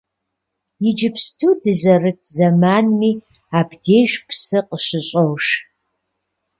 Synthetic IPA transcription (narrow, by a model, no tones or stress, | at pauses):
jɪd͡ʒɪpʰstʰudɨzɐrɨtʰzɐmaːnmiː | aːbdeːʒʷpʰsɨqʼəʃɪɕʼowʂ